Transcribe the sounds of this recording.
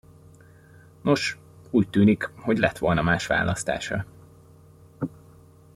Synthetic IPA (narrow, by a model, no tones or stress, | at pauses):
no̞ʃ | uːc̚t̪yːnikho̞ɟlɛt̪ʋo̞lnɒmaːʃʋa̰ːlʔɒst̪a̰ːʃrɒ̰